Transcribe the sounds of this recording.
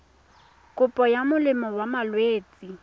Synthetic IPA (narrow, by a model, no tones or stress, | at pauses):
kʼʊpʼɔjamʊlɪmɔwamalweːt͡sʼi